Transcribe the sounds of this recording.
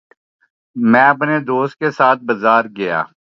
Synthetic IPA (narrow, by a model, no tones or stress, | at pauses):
mɛ̃ːəpned̪oːst̪̚kesaːt̪̚ʰbəzaːɾɡɪja̰ː